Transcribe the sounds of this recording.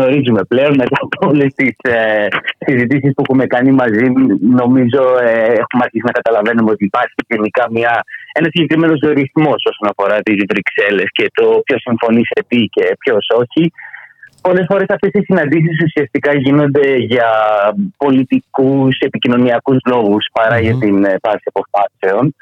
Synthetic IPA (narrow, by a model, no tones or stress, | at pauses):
ɣno̞ɾizume̞ple̞onme̞t̪ɐpolest̪isesizit̪isispuexume̞kɐnimɐzino̞mizo̞eexumɐɾçisinɐkɐt̪ɐlɐve̞numeo̞t̪iːpɐɾçiʝe̞nikɐmɲɐe̞nɐsiɲɟe̞kɾime̞no̞zoɾiθmo̞so̞so̞nɐfo̞ɾɐt̪izvɾikse̞le̞sce̞t̪o̞pço̞siɱfo̞niset̪ice̞pço̞so̞çi | po̞lesfo̞ɾe̞sɐft̪e̞sisinɐnd̪is̬is̬usiɐst̪ikɐʝino̞nd̪e̞ʝɐ | po̞lit̪ikuse̞picino̞niɐkuzlo̞ɣuspɐɾɐʝet̪infɐsiɐpo̞fɐse̞o̞n